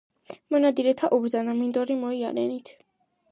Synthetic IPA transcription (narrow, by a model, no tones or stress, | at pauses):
mɔnad̪iɾɛt̪ʰaʔubɾzanamind̪ɔɾimɔialɛnit̪ʰ